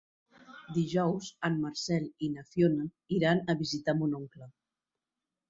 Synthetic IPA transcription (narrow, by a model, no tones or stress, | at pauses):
d̪iʒɔwsamːaɾsɛlinafjona | iɾanəβizit̪amunoŋkla